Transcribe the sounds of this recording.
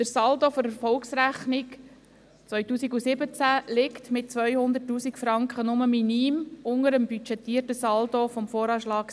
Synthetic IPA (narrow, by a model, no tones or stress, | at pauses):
d̥̪əɾsɑldofɔɾɛɾfɔlksɾæχnik | t͡sʋœʏtuːsiɡusɪbət͡sælɪktmɪt̚t͡sʋœjhʊnd̪ətːuːsikfɾɑŋkχənʊməminiːmʊŋəɾəmbyt͡ʃɛtːiːərtəsɑldofɔmfoːɾɑːʃlɑːk